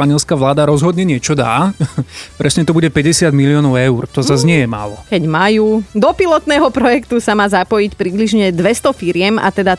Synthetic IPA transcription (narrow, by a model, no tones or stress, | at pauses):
aɲɪɛlskaːʋlaːd̪aɾɔzɦɔd̪ɲɛɲɪɛt͡ʃɔd̪a̰ː | pɾʔɛsɲɛt̪ɔbuɟɛpɛɟɛsɪad̪miliɔːnɔʊɛurt̪ɔzazɲɪɛjɛma̰ːlɔkɛɟmajuːd̪ɔpilɔt̪nɛːɦɔpɾɔjɛkt̪usamaːzapɔjicpɾibliʒɲɛd̪ʋɛst̪ɔfiɾɪɛma̰t̪ɛd̪a